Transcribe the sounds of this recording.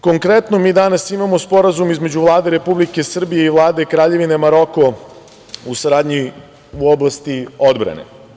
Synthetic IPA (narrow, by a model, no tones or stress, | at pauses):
ko̞ŋkɾet̪no̞miːd̪anasimamospo̞ɾazumizme̞d͡ʑuvlˠaːd̪e̞ɾe̞publike̞sr̩bijeiʋlˠaːd̪e̞kɾaːʎe̞ʋine̞maɾo̞ko̞ | usaɾaːd̪ɲi | uoblast̪iod̪bɾa̰nḛ